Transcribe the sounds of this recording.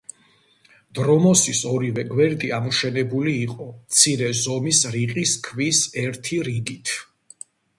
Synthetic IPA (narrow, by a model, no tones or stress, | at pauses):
d̪̥ɾɔmɔsisɔɾivɛɡwɛɾd̪iamɔʃɛnɛbuliːqʼɔmt̪sʰiɾɛzɔmisɾiqʼiskʰvisɛɾt̪ʰiɾiɡit̪ʰ